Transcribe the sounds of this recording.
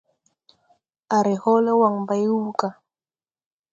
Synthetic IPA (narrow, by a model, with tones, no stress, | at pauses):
a˨ɾi˨hɔ˦lɛ˦wa˨ŋ̩ba˨ju˦ka˨